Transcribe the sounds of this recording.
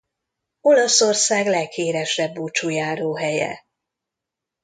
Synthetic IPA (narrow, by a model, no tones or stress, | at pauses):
o̞lɒsorsaːɡlɛkheːɾɛʃrɛbːuːt͡ʃujaːɾoːɦɛjɛ̰